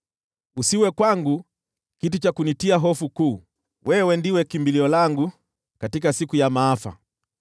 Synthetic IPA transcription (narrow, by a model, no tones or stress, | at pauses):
usiwɛkwaŋɡu | kitut͡ʃakunitiaɦɔfukuː | wʔɛwɛndiwɛkimbiliɔlaŋɡu | katikasikujamaːfa̰